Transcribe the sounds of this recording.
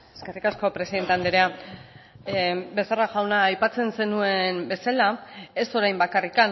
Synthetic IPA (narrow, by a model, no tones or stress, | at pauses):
eske̞rikasko̞pɾesiðe̞nt̪e̞and̪eɾea | be̞saraʝawnaːjpat͡se̞nse̞nue̞mbe̞salae̞so̞ɾajmbakarikan